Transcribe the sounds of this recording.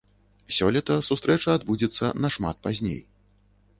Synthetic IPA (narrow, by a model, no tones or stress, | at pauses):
sʲɔlʲit̪ɐsust̪ɾɛt͡ʂɐːd̪bud͡zʲɛt̪sːɐ̰nɐʂma̰t̪̚pazʲnʲḛj